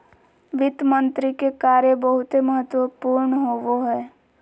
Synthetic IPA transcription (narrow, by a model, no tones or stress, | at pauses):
ʋɪt̪mə̃nt̪ɾikekaːɾjebəɦʊt̪ɦeməɦət̪wəpuːɾɳɦoːʋoɦɛː